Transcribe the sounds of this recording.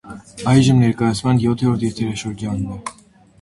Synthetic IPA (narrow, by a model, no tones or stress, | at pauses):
ɑjʒəmnɛɾkɑjɑt͡sʰmɑnjɔt̪ʰɛɾuɾt̪ʰjɛɾt̪ʰɛɾɑʃəɾd͡ʒɑnunɛ